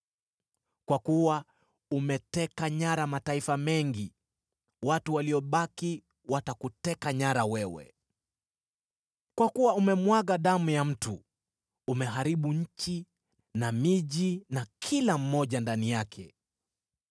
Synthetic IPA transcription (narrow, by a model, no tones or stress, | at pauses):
kwakuwa | umɛtɛkaɲaɾamataifamɛŋɡi | watuwaliɔɓaki | watakutɛkaɲaɾawɛwɛ̰ | kwakuwaumɛmwaɣaɗamujam̩tuː | mɛɦaɾiɓuɲ̩t͡ʃi | namiʄinakʰilam̩ːɔʄandanijakʰɛ